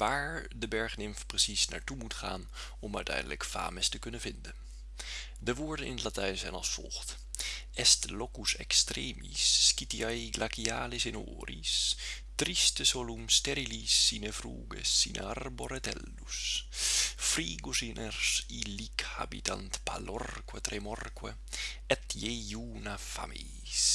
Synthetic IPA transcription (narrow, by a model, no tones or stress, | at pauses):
ʋaːɹdəbɛɹχnɪmfprəsisna̰ːɹtumutχa̰ːn | ɔmœ̰ɥtɛ̰jndələkfa̰ːməstəkɵnənvɪndən | dəʋʊːɹdənʔɪ̰nətlatɛɥnzɛjnɑ̰lˠsfɔ̰lˠxt | ʔɛstlokusɛ̰kstreːmḭsːkitiajɡlʔakiaːlɪsɪno̰ːrḭs | t̪ɾist̪əsolumst̪ɛɾilisːiːnəfɾṵːɡḛsːḭːnʔə̰arboɾɛt̪ɛ̰lːus | fɾiːɡusinʔɛrsilikha̰bit̪ant̪palɔrkwɛt̪ɾɛmɔrkwɛ | ɛt̪jejuːnafa̰mi | s